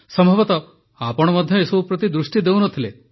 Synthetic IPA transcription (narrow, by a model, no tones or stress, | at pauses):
sɔmbʱɔbɔt̪ɔ | apɔɽ̃ɔmɔd̪ʱjɔesɔbʱupɾɔt̪id̪ɾusʈid̪ewnɔt̪ʰile